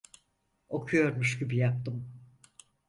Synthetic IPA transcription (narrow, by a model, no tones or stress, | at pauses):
o̞kʰujo̞ɾmuʃɟibijap̚t̪ɯm